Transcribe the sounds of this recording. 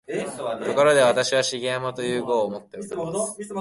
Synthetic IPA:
koko̞ɾo̞d̪e̞β̞at̪aɕiβ̞aɕiɡʲẽmot̪o̞jɯ̟ːɡo̞ːmo̞t̪ːe̞oɾ

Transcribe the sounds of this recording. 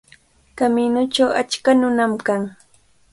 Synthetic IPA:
kaminʊt͡ʃawa̰t͡ʃkanʊnamkaŋ

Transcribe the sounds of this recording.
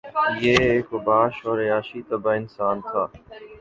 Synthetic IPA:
jeːeːkʋʊbaːʃɔːɾeaːʃiːt̪əbaːɪnsaːnt̪ʰaː

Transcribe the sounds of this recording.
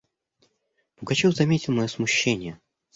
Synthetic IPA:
b̥ʊɡɐt͡ɕofzɐmʲetʲɪlˠmɐjosmʊɕːenʲɪjə

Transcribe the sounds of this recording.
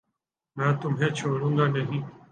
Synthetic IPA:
nɛ̃ːt̪ʊmɦẽːt͡ʃʰoːɽũːŋɡaːnəɦĩː

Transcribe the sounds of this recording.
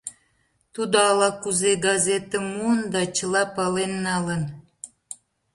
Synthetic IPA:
t̪ud̪oɑlɑkuzeɡɑzet̪ə̆mund̪ɑt͡ɕəlɑpɑlenːɑlən

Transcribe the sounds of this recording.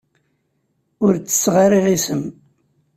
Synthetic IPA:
ʊɾt͡sːə̥sːʁɑriʁisəm

